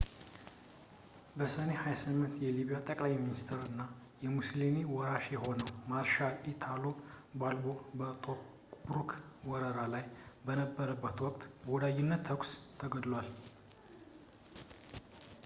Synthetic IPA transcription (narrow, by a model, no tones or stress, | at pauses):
bəsəne̞hajasɨmːɨnt̪jɛliβijat̪ʼəkʼlajminist̪ʰɨɾɨnːa | jɛmuslimiwɔɾaʃjɛɦo̞nəwmaɾʃalit̪ʰalobalbo̞bət̪ʼo | bɾukʰwɔɾəɾalajbənəbːəɾəbːət̪wɔkʼt̪bəwɔd̪ajːɪnːət̪ʰːəkʷst̪ʰːəɡəd̪lwal